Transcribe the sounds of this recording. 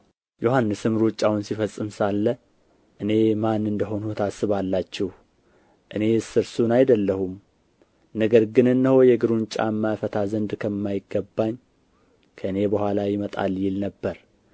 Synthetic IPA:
jo̞ɦanːɨsɨmɾut͡ʃʼːawunsifəsʼːɨmsalːə | ʔɨne̞manːɨnd̪əɦo̞nut̪ʰasːɨβalːat͡ʃːɛh | ʔɨne̞sɨɾsunajd̪əlːəhum | nəɡəɾɡɨnɨnːəhojɛɡɨɾunt͡ʃʼa̰mːafət̪ʰazənd̪kʰəmːajɪɡːəbːaɲ | kʰəʔɨne̞bəhʷalajɪmət̪ʼa̰ljɪlnəbːəɾ

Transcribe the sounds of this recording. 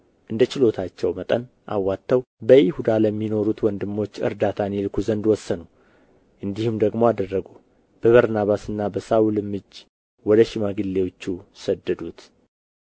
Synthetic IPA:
ʔɨnd̪ət͡ʃɪlo̞t̪ʰat͡ʃːɛwmət̪ʼən | ʔa̰wːat̪ːəwbəjɪhud̪aləmːino̞ɾut̪wɔnd̪ɨmːo̞t͡ʃːɨ̰ɾd̪at̪ʰanelkʰuzənd̪wɔsːənu | ʔɨnd̪ihumd̪əɡmo̞ad̪ərːəɡu | b̥əβəɾnaβasɨnːabəsaulɨmːɨd͡ʒ | wɔd̪əʃimaɡɨlːewot͡ʃːusəd̪ːəd̪ut̪

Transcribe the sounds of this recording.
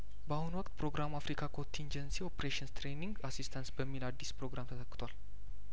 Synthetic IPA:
bəahunwɔkʼt̪pʰɾo̞ɡɾʔamafɾikʰakʰo̞nt̪ʰind͡ʒənsio̞pɾeʃənst̪ʰɾeniŋɡasist̪ʰansbəmːilad̪ːispɾo̞ɡɾamt̪ʰət̪ʰəkʼːɨ̥t̪ʰwal

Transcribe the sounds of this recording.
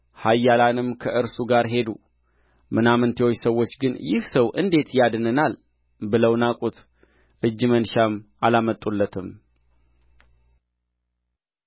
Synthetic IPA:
hajːalanɨmkʰəʔɨɾsuɡaɾɦe̞d̪ṵ | mɨnamɨnt̪ʰeojsəwːo̞t͡ʃːɡɨnjɪhsəwʔɨ̰nd̪e̞t̪jad̪ɨnɨnal | bɨləwnakʼut̪ | ʔɨd͡ʒːɨmənʃamʔalamət̪ʼulːət̪ʰɨm

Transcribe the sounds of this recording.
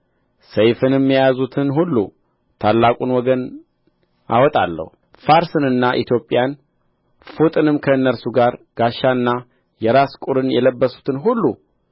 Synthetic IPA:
səjfɨnɛmːijazut̪ʰɨnɦulːṵ | t̪ʰalːakʼunwɔɡən | a̰wɔt̪ʼa̰lːə̰hu | faɾsɨnɨnːaʔit̪ʰjo̞pʼjan | fut̪ʼɨnɨmkʰəɨnːəɾsuɡaɾɡ̥aʃːaɨnːa | jɛɾaskʼuɾɨnjɛləbːəsu̥t̪ʰɨnɦulːu

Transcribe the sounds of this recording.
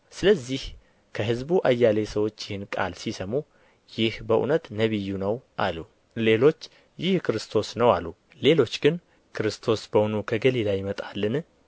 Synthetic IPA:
sɨləzːih | kʰəɦɨzbuʔajːale̞səwo̞t͡ʃːjɪhɨnkʼa̰lsisəmu | jɪhbəʔṵnət̪nəβɨjːunəwʔalːu | le̞lo̞t͡ʃː | jɪhkʰɨɾɨst̪ʰo̞snəwalːu | le̞lo̞t͡ʃːɡɨn | kʰɨɾɨst̪ʰo̞sbəwnukʰəɡəlilajmət̪ʼalːɨn

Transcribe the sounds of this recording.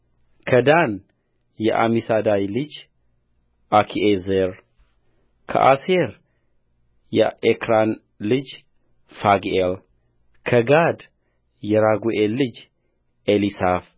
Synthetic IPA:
kʰəd̪an | jɛʔa̰misad̪ajlɨd͡ʒ | akʰiʔezeɾ | kʰə̰ʔaseɾ | jɛʔekʰɾan | lɨd͡ʒ | faɡel | kʰəɡad̪ | jɛɾaɡuʔelːɨd͡ʒ | ʔelisaf

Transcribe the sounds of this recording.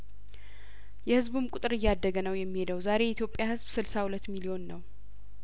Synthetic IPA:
jɛhɨzbumkʼut̪ʼɨɾɨjːad̪ːəɡənəwjɛmːihe̞d̪əwzaɾe̞jɛʔit̪ʰjo̞pʼːjahɨzbsɨlsahulət̪ːmilio̞nːəw

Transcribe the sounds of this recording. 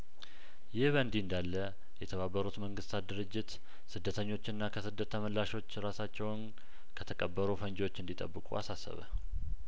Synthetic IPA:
jɪhβənd̪ind̪alːə | jɛt̪ʰəβabːəɾut̪məŋɡɨst̪ʰat̪̚d̪ɨɾɨd͡ʒːɪt̪ | sɨd̪ːət̪ʰəɲːo̞t͡ʃːɪnːakʰəsɨd̪ːət̪ʰːəməlːaʃo̞t͡ʃːɾasat͡ʃːɛwn | kʰət̪ʰəkʼəbːəɾufənd͡ʒo̞t͡ʃːɨnd̪it̪ʼə̰bːɨkʼṵa̰sasːə̰βə̰

